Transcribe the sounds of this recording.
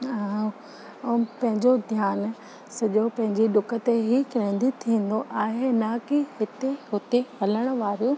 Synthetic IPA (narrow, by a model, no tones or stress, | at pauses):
ɦã | pɐ̃ɦɪ̃ɲd͡ʑod̪ʱjaːn | sɐʄopɐ̃ɦɪ̃ɲd͡ʑiɗʊkə̆t̪eɦikɪɾẽːnd̪it̪ʰĩːn̆d̪oʔaːɦenaːkiɦɪt̪eɦʊt̪ehɐləɽ̃ʊ̆ʋaːɾijũ